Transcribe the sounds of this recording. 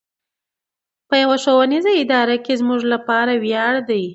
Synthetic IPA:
pəjawaʃowanizaɪd̪ɑɾakezmuʒlapɑɾawjɑɽd̪aj

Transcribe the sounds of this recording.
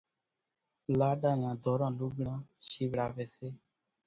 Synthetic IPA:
laːɗãːjãːd̪ʱoːɾãːluːɡɽãːʃiːʋɽaːʋeːseː

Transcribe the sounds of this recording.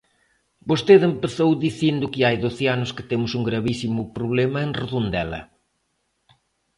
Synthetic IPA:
bost̪eðempeθowðiθind̪ʊkɪajðoθeanʊskɪ̥t̪emʊsuŋɡɾɐβisimʊpɾoβlɛmɐeŋreðund̪ɛlɐ̰

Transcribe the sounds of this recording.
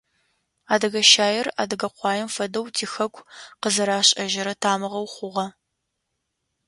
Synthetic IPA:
aːdɐɣɐʃaːjɪra̰ːdɐɡɐqʷɑːjɛmfɐdɐwtʰiːxɐkʷʰʼqəzɐɾaːɕʼɐʒɪɾɐtʰaːmɨʁɐwχʷʊʁɐ

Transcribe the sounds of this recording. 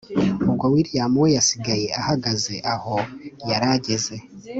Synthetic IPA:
ubɡwawiːɾjamuwejasiɡaje̞ahaɡaze̞ʔaho̞jaɾaɟe̞ze̞

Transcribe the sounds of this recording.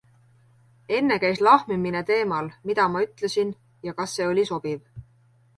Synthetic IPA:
e̞nːe̞kæjslɑhmimine̞t̪e̞ːmɑlmid̪̥ɑmɑyt̪ˑle̞sin | jɑkɑsːe̞ːo̞lʲiso̞b̥iv

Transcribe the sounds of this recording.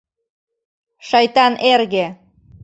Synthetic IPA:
ʃɑjt̪ɑnʔerɣe

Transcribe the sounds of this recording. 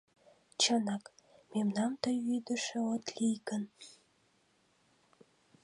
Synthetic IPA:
t͡ɕənɑkmemnɑmt̪əjyd̪əʃĕot̪lijɡən

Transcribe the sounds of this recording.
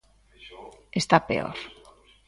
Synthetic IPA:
est̪apḛo̰ɾ

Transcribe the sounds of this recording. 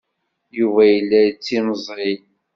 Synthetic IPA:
juvæjəlːæt͡sːiməzˤɾi

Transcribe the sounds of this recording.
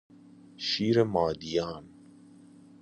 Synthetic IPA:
ʃiːɾemaːd̪ijaːn

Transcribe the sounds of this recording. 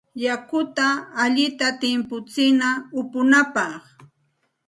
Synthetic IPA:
jakʊt̪aːʎɪt̪at̪ɪmpʊt͡sɪnaʊpʊnapɑχ

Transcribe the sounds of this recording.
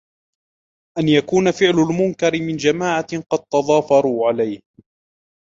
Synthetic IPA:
ʔanjakuːnafɪʕlʊlmʊnkɑɾɪmɪnd͡ʒamaːʕaqɑd̪̚t̪ɑðˤɑːfɑɾˤuːʕalajh

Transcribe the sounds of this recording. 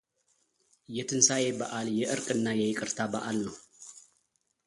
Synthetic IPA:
jɛt̪ʰɨnsajebɐʔaljɛʔɨɾkʼɨnːajɛjɪkʼɨɾt̪ʰabɐʔalnɐw

